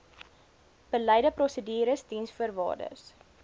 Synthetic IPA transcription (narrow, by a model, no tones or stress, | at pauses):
b̥əlɛjdəprɔsədiːɾəsdinsfuərvɑ̰ːrdə̰s